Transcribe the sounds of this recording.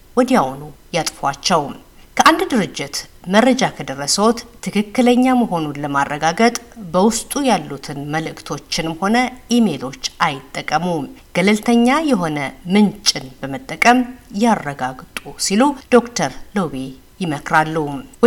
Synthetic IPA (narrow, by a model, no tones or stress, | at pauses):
wɔd̪ijawnujat̪ʼfat͡ʃːɛw | kʰəʔand̪d̪ɨɾɨd͡ʒːɪt̪məɾːəd͡ʒakʰəd̪ərːəsəwɔt̪t̪ʰːɨkʰɨkːɨləɲːaməɦo̞nunləmarːəɡaɡət̪ʼbəwʊst̪ʼujalːut̪ʰɨnməlɨkʰt̪ʰo̞t͡ʃːɪnmho̞nəʔime̞lo̞t͡ʃːʔajɪt̪ʼːəkʼːəmuɡ̥əlɨlt̪ʰəɲːajɛɦo̞nəmɨnt͡ʃʼɪnbəmət̪ʼːəkʼəmjarːəɡaɡt̪ʼusilud̪̥o̞kt̪ʰəɾlowe | jɪməkɾalːu